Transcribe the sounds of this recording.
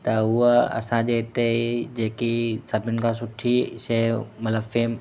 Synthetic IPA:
t̪ɐʊɦɐ̰sãd͡ʑeːt̪ed͡ʑeːkisɐbʱɪnkʰãsʊʈʰisemɐt̪ləbfeːm

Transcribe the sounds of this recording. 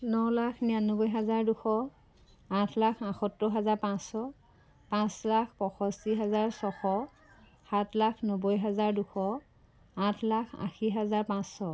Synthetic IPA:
nɔlakʰnijanːɔbɔjɦazaɹduxɔ | ãtʰlakʰãxɔtːɔɦazaɹpãsɔ | pãslakpɔxɔsiɦazaɹsɔxɔ | xatʰlakʰnɔbɔjɦazaɹduxɔ | ãtʰlakʰã̰xiɦazaɹpãsːɔ

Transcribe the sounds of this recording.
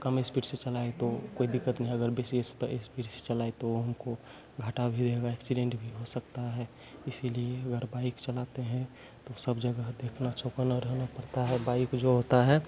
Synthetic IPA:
kɐmespiʈset͡ʃəlaːet̪okoːid̪ɪkːət̪nəɦĩɐɡəɾbeːsiespəʔespiːʈse̥t͡ʃəlaːet̪oɦɐmko | ɡʱaːʈabʱid̪eɡaeksiɖẽɳʈbʱiɦosəkt̪aɦɛ | ɪsilieɐɡəɾbaːɪkt͡ʃəlaːt̪eɦɛ̃ | t̪osəbd͡ʒəɡəd̪eːkʰnat͡ʃokənaɾəɦnapəɾt̪aɦɛbaːɪkd͡ʒoɦot̪aɦɛ

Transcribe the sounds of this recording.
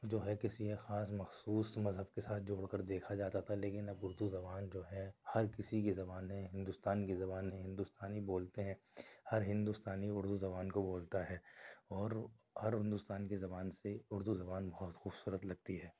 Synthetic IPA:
d͡ʒoːɦɛkɪsiɦexaːsmɐxsuːsmɐzɦəb̚kesaːt̪ʰd͡ʒoːɽkɐɾd̪eːkʰad͡ʒaːt̪at̪ʰaleːkɪnɐbʊɾd̪uzɐbaːnd͡ʒoːɦɛhɐɾkɪsikezɐbaːnɦɛ̃ɦɪ̃nd̪ʊːst̪aːnkezɐbaːnɦɛ̃ɦɪ̃nd̪ʊst̪aːnɦiboːlt̪eɦɛ̃hɐɾɦɪ̃nd̪ust̪aːniʊɾd̪uzɐβaːnkoboːlt̪aɦɛːɔːɾ | hɐɾɦɪ̃nd̪uːst̪aːnkezɐbaːnseʊɾd̪uzɐbaːnbɐɦʊt̪xuːbsuːɾət̪lɐɡ̚t̪iɦɛː

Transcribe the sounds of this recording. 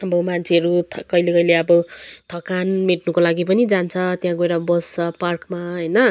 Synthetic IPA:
ʌbʌmant͡sʰeʌɾut̪ʰkʌilekʌijleʌbʌt̪ʰʌkanmeʈnukolaɡipʌnid͡zant͡sʰʌt̪jãɡojɾabʌst͡sʰʌparkmaɦʌjnʌ

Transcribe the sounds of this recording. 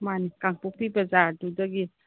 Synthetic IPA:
mankaŋpuk̚pibazaɾdudaɡi

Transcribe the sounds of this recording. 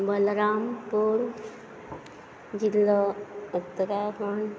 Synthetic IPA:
bəlɾampuɾ | d͡ʒilːəut̪ːɾapəɳ

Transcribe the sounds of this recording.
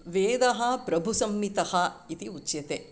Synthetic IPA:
ʋeːd̪ɐɦɐpɾɐbʱusɐmnit̪ɐhɐit̪iut͡ʃjɐt̪e

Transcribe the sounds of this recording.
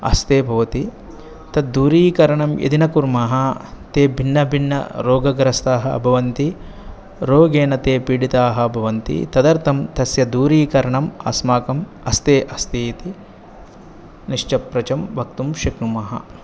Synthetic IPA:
ɐ̰st̪eːbʱɐʋɐt̪i | t̪ɐd̪̚d̪uːɾiːkɐɾɐɳɐmjḛd̪inɐkuɾmɐːɦɐt̪eːbʱinːɐbʱinːɐ̰ɾoːɡɐɡɐɾɐst̪aːɦɐɐ̰bʱɐʋɐnt̪i | ɾoːɡeːnɐt̪eːpiːɽit̪aːɦɐɐbʱɐʋɐnt̪ḭt̪ɐd̪ɐɾt̪ʰɐmt̪ɐsjɐd̪uːɾiːkɐɾɐɳɐmɐ̰smaːkɐm | ɐst̪eːʔɐst̪iːt̪i | niʂt͡ʃɐpɾɐt͡ʃɐmʋɐkt̪umʃɐknumɐɦɐ̰

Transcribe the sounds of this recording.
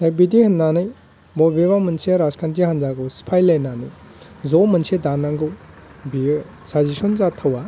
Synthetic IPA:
hejbidihɐnːanɯj | bɔbebamɐnseɾaskʰantiɦanzaɡuspʰajlajnanɯj | zomɐnsedanːaŋɡuw | bi | sazisunzatʰawa

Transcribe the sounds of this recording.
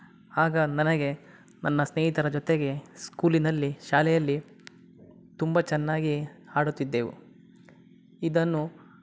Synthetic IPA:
aːɡɐnɐnɐɡe̞ | nɐnːɐsneːɦit̪ɐɾɐd͡ʒɔt̪eɡe̞skuːlinɐlːiʃaːlɛjɐlːi | t̪umbɐt͡ʃɛnːaːɡihaːɽut̪ːid̪ːeːʋṵ | id̪ɐnːu

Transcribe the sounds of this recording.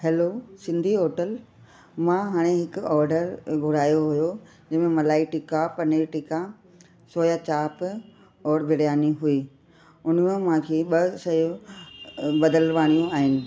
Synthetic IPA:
hɛloːsɪ̃nd̪ʱioːʈəl | mãɦaːɽ̃eɦɪkʊɔːɾɖəɾɡʱʊɽ̤aːjoɦʊjo | d͡ʑɐ̃ɦmẽmɐlaːiʈɪkapɐneʈɪka | soːjat͡ɕaːp | ɔːɾbʱɪɽijaːniɦʊiː | ʊn̤mẽmãkʰeːɓɐsɐjũ | ɓɐd̪əlʋaːɽ̃ijũaːɦɪnɪ̆

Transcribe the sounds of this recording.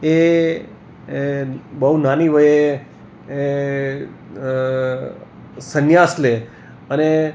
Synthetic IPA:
e | bəɦunaniʋəje | sənjasle | əne

